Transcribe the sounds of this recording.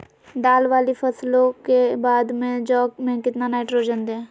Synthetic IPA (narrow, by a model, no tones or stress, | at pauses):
d̪aːlʋaːlifʰəslõkebaːd̪mẽd͡ʒɔːɡmẽkɪt̪nanaːɪʈɾoːd͡ʒə̃nd̪ɛ̃ː